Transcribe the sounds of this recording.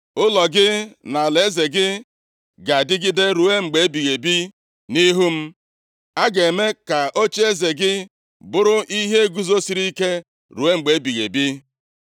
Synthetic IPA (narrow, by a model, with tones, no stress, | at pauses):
ʊ˦lɔ˨ɡɪ˦na˨le˨˦ze˨ɡɪ˦ | ɡa˨dɪ˦ɡɪ˦de˦ɾu˨e˦ŋ͡m̩˨ɡ͡be˨e˦bi˨ɣe˨bi˦ | ni˦ɦu˦m̩˦ | a˦ɡe˨me˦ka˨ʔo˦t͡ʃe˦e˦ze˨ɡɪ˦ | bʊ˦ɾʊ˦ʔi˦ɦe˦ɡu˦zo˦si˨ɾi˦i˦ke˦ | ɾu˨e˦ŋ͡m̩˨ɡ͡be˨e˦bi˨ɣe˨bi˦